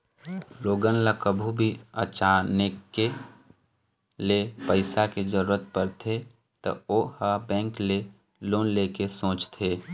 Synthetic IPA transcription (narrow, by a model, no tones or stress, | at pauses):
loːɡənlakəbʱubʱiə̰t͡ʃaːnekke | lepəɪsaked͡ʒəɾuːɾət̪̚pəɾt̪ʰe | t̪ə̰oːhabɛ̃ːŋkle | loːnleːkesõːt͡ʃt̪ʰeː